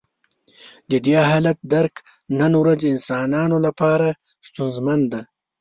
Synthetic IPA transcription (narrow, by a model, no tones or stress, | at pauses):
d̪əd̪jaɦɑːlat̪̚d̪aɾk | nənwɾazɪnsɑːnɑːnolapɑːɾa | st̪unzmand̪a